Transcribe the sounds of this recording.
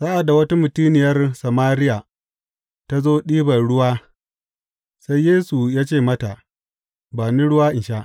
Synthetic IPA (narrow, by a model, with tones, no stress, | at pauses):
saː˦ʔa˨da˨wɐ˦ta˦mʊ˨tiː˦nɪ˨jɐ˦rsɐ˨maː˦ɾɪ˦ja˨ | ta˦zoː˦ɗiː˦bɐ˨ɽʊ˦waː˦ | sa˦jːeː˦su˨jaː˦t͡ʃeː˦˨mɐ˦ta˨ | baː˨ni˦ɽʊ˦waː˦ʔɪ˨nʃa˦ʔ